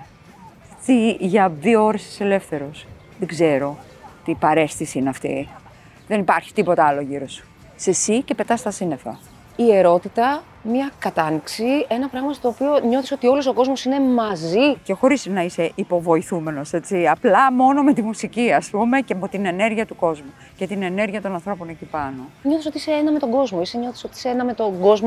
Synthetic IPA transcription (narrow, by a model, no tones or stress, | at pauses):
t̪iʝɐðioo̞ɾest̪ise̞le̞fθe̞ɾo̞s | ðeɡze̞ɾo̞ | t̪ipɐɾe̞st̪isiineɐft̪ḭ | ðe̞nipɐɾçi̥t̪ipo̞t̪ɐɐlo̞ʝiɾo̞su̥ | sesice̞pe̞t̪ɐst̪ɐsine̞fɐ̰ | ie̞ɾo̞t̪it̪ɐ | mɲɐkɐt̪ɐniksie̞nɐpɾɐɣmɐst̪o̞ːpio̞ɲo̞θisot̪io̞loso̞ko̞zmo̞sine̞mɐzice̞xo̞ɾisnɐise̞ʔipo̞vo̞iθume̞no̞se̞t͡siɐplɐmo̞no̞met̪imusiciɐspume̞ceɐpo̞t̪ine̞ne̞ɾʝiɐt̪uko̞zmu | ce̞t̪ine̞ne̞ɾʝiɐt̪o̞nɐnθɾo̞po̞necipɐno̞ɲo̞θisot̪iiseenɐmet̪o̞ɡo̞zmo̞iseɲo̞θi̥sot̪iiseenɐme̞t̪o̞ɡo̞zmo